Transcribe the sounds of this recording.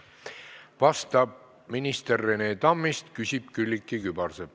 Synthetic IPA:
vɑst̪ɑb̚ | minist̪erːeneːt̪ɑmːist̪kysʲib̥̚kylʲːikːˑikybɑrseb

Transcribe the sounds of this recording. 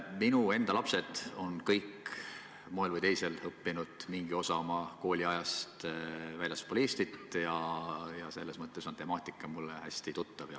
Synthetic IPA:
minue̞nd̪̥ɑlɑpse̞d̪̥o̞nkɤjk | moelvɤjt̪e̞jse̞lɤpːinud̪̥miŋɡio̞sɑomɑko̞ːlʲiɑjɑst̪vælʲjɑspolist̪it̪ˑjɑjɑse̞lːe̞smɤt̪ːˑe̞so̞nt̪e̞mɑːt̪ʲːˑikːˑɑmulːehæsʲt̪it̪ut̪ːˑɑvjɑ

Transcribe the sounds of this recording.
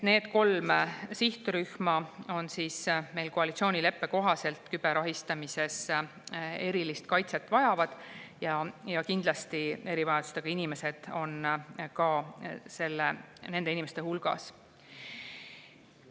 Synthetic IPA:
ne̞ːd̪ko̞lmsiht̪uɾyhmɑo̞nsiːsme̞jlko̞ɑlit̪sio̞ːnʲile̞pːe̞ko̞ɦɑse̞lt̪ˑkyb̥e̞ɾɑɦist̪ɑmise̞s | e̞ɾilist̪kɑjt̪se̞t̪ːˑvɑjɑvɑd̪̥jɑjɑkind̪̥lɑst̪ie̞ɾivɑjɑd̪̥u̥st̪e̞ɡ̥ɑinime̞se̞d̪̥o̞nkɑse̞lːene̞nd̪einime̞st̪ehulɡ̥ɑ̰s

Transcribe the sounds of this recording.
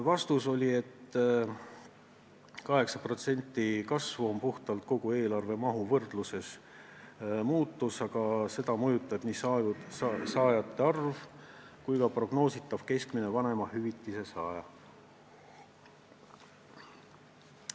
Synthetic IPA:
vɑst̪uso̞lʲie̞t̪ː | kɑɦe̞ksɑpro̞t̪se̞nʲt̪ːˑikɑsvuompuht̪ɑlt̪̚ko̞ɡ̥ue̞ːlɑrve̞mɑɦuvɤrd̪̥luse̞s | muːt̪ːˑusɑɡ̥ɑse̞d̪̥ɑmujut̪ˑːɑb̥nis | sɑːjɑt̪ːe̞ɑrv | kujkɑpro̞ɡ̥no̞ːsit̪ːˑɑv̥ke̞skmine̞vɑne̞mɑhyvit̪ːˑise̞sɑːjɑ

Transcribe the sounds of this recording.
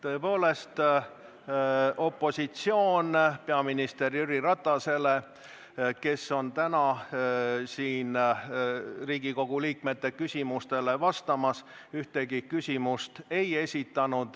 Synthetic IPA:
t̪ɤ̞e̞po̞ːle̞st̪ | ʔo̞pːˑo̞sit̪sio̞ːnpe̞ɑminist̪e̞rjyɾiɾɑt̪ˑːɑse̞le̞ | ke̞sːo̞nt̪ænɑ | siːn | riːɡ̥iko̞ɡ̥uliːkme̞t̪ːe̞kysʲimust̪e̞le̞vɑst̪ɑmɑs | yht̪e̞ɡikysʲimust̪e̞je̞sʲit̪ːˑɑnud̪̥

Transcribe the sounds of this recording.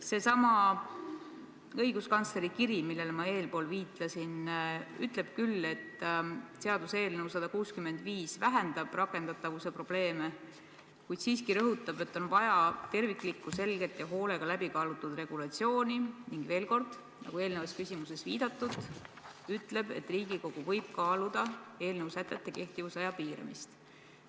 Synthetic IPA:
se̞sɑmɑ | ɤjɡ̥uskɑnt̪sle̞ɾikiɾimilːe̞lmɑe̞ːlpo̞ːlviːt̪ˑlɑsinyt̪ˑle̞b̥kylːe̞t̪ːseɑd̪̥use̞ːlnewsɑd̪̥ɑkuːskyme̞nd̪̥viːsvæɦend̪̥ɑb̥rɑkːˑe̞nd̪̥ɑt̪ːˑɑvuse̞pro̞b̥le̞ːme | kujd̪̥siːskiɾɤɦut̪ːˑɑb̥e̞t̪ːˑo̞nvɑjɑt̪e̞rvikˑlikːuse̞lɡe̞t̪jɑɦo̞ːle̞ɡ̥ɑlæb̥ikɑːlut̪ːˑud̪re̞ɡ̥ulɑt̪sio̞ːniniŋɡ̥ve̞ːlko̞rd̪̥ | nʔɑ̰ɡ̥ue̞ːlnevɑskysʲimuse̞sviːd̪̥ɑt̪ˑːud̪̥ | yt̪ːˑle̞b̥e̞̰t̪ːriːɡiko̞ɡ̥uvɤ̞jb̥̚kɑːlud̪̥ɑe̞ːlnewsæt̪ːˑet̪ːˑe̞ke̞ht̪ivusɑjɑpiːɾɑ̰mist̪

